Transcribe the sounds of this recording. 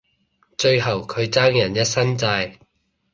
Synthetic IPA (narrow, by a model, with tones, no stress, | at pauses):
t͡ʃɵ˧ɥɦɐ˨˩wkʰɵ˨˧ɥt͡saː˥ŋjɐ˨˩njɐ˥t̚sɐ˥nt͡saː˧j